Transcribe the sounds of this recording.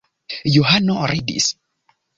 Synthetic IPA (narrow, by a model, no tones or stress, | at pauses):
juɦanɔɾidḭs